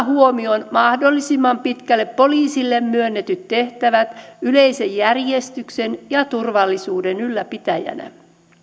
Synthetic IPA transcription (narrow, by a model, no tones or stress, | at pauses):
huomionmɑhdolːisimːɑmpit̪kælːeppo̞liːsilːemmyønːet̪yt̪t̪e̞ht̪æʋæt̪yleisejːærjest̪yksenjɑt̪urʋɑlːisuːdenylːæpit̪æjæ̰næ̰